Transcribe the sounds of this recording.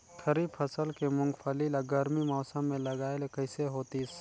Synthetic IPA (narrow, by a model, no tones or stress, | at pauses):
kʰɐɾipʰɐsəlkemʊ̃ŋɡpʰəlilaɡɐɾmimɔːsəmːẽlɐɡaːelekɐɪseɦoːt̪is